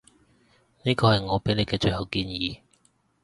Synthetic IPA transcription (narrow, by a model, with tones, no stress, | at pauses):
niː˥kɔː˧hɐ˨jŋɔː˨˧pe˨˥ne˨˧jkɛː˧t͡ʃɵ˨˧hɐ˨˧wkiː˧njiː˨˧˦